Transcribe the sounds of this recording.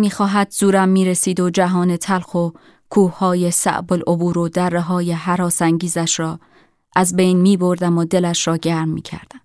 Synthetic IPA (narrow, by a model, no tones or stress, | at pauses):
miːxɒːɦæd̪zuːɾæmːiːɾesiːd̪o̞d͡ʒæɦɒːne̞t̪ʰælxo̞ | kʰuːhːɒːje̞sæ̰ʔbo̞lʔobuːɾod̪ærːeɦɒːje̞ɦæɾɒːsæŋɟiːzæʃɾɒː | ʔæzbe̞jnmiːbo̞ɾd̪æmod̪e̞læʃɾɒːɟæɾmːḭːcʰæ̰ɾd̪̥æm